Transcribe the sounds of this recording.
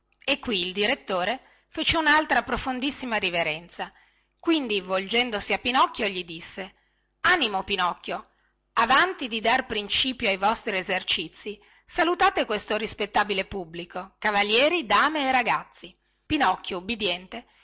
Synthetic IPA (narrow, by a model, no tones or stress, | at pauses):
ekːwiːld̪iɾet̪ːoːɾe | fet͡ʃeunalt̪ɾapɾofond̪isːimaɾiveɾɛnt̪sa | kwind̪ivold͡ʒɛnd̪osiapːinɔkːjoʎid̪isːe | animopinɔkːjo | avant̪id̪id̪arpɾint͡ʃiːpjoajvɔst̪ɾiezert͡ʃit̪sːi | salut̪aːt̪ekwest̪oɾispet̪ːaːbilepubːlikokavaljɛːɾid̪aːmeːraɡat̪sːi | pinɔkːjoubːid̪jɛnt̪e